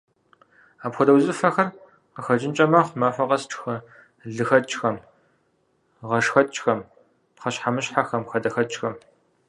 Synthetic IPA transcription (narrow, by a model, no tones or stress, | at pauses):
aːpxʷɔdɐwzɨfɐxɐr | qəxɐd͡ʒʼɪnt͡ʃʼɐmɐχʷmaːfʷɐqɐsʈ͡ʂʰʼxɐ | ɮɨxɐt͡ʃʼxɐm | ʁɐʂxɐt̚t͡ʃʼxɐm | pχɐɕħamɨɕħaxɐmxɐdɐxɐt̚t͡ʃʼxɐm